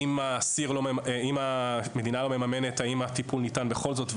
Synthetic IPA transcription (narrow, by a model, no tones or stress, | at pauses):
imasiʁlomeeimame̞d̪inalo̞me̞mame̞ne̞taimat̪ipulnitanbe̞χo̞lzo̞tv